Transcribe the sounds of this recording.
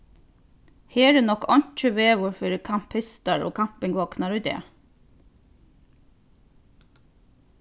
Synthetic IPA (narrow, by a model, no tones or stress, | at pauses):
heːɖʉːnɔkɔnt͡ʃəʋeːʋʊɾfɔɾkʰɑmpʰhɪst̪ɑɹo̰ːkʰɑmpɪŋɡʋoːknɑɾʉːd̪ḛː